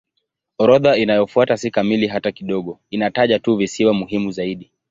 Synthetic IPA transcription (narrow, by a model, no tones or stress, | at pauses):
ɔɾɔðainajɔfuatasikamiliɦatakiɗɔɠɔinataʄatuvisiwamuɦimuzaiɗi